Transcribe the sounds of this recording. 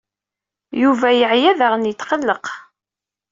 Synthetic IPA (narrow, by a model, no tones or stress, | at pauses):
juvæjəʕjæðæʁənjət̪ːqəlːəq